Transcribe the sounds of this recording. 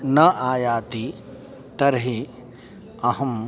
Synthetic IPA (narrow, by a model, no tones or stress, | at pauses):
nɐʔaːjaːt̪i | t̪ɐɾɐɦi | ɐɦɐ̃m